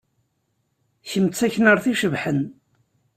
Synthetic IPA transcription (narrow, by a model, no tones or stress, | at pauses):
çəmt͡sːæçnəɾˤθiʃəvħən